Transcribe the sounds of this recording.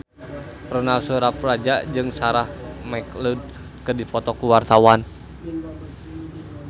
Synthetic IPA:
rɔnalsuɾaprad͡ʒad͡ʒɨŋsaɾahmaklud̚ | kədipɔt̪ɔkuwart̪awan

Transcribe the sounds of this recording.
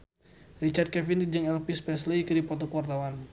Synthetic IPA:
rit͡ʃart̪̚kɛfind͡ʒɨŋɛlpispɛslikɨdipɔt̪ɔkuwart̪awan

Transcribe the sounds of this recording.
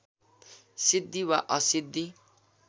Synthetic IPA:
sid̪ːiwaʔʌsid̪ʱːi

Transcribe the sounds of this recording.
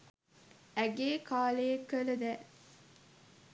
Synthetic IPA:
æɡeːkaːlejekːələd̪ɛː

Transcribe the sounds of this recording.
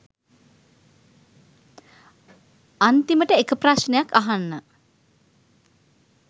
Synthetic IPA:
ant̪iməʈəekəprasnejakaɦanːə

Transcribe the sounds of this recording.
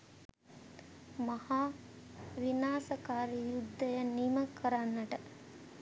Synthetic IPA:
mɐhaː | ʋinaːsɐkaːɾijud̪ʱːɐjɐnimɐkʰːɐɾanːɐʈɐ

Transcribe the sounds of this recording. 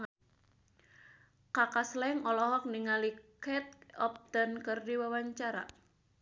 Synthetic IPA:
kakaslɛŋɔlɔɦɔk̚niŋalikɛt̪̚ɔp̚d̪ankɨrdiwawaɲt͡ʃaɾa̰

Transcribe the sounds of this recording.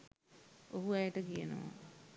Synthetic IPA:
oɦuajəʈəkijənə̰ʋa̰

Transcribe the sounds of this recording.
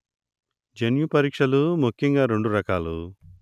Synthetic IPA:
d͡ʒenjupɐɾiːkʂɐlumukʰːjɐŋɡaːɾe̞ɳɖuɾɐkaːlu

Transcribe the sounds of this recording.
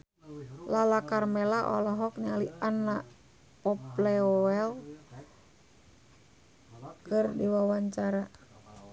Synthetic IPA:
lalakarmɛlaʔɔ̰lɔɦɔk̚ɲalianːa | pɔplɛɔɛl | kɨrdiwawaɲt͡ʃaɾa

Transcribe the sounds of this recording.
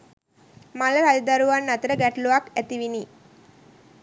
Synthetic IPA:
maləɾadid̪aɾuʋanːat̪əɾəɡæʈluʋakæt̪iʋini

